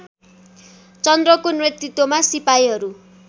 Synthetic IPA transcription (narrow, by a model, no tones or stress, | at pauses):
t͡sʌnd̪rʌkonret̪ːit̪ːomasipajɦʌɾu